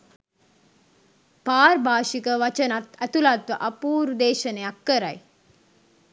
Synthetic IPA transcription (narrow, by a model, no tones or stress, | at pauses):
paːrbʱaːʃikəʋat͡ʃənat̪æt̪ulat̪ʋəʔapuːɾud̪eːʃənejakːəɾa̰j